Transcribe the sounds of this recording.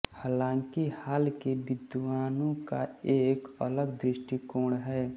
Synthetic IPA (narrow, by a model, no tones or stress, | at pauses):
haːlãːŋkihaːlkebɪd̪ʋaːnõkaeːkələɡd̪ɾɪʃʈikõːɽɦɛː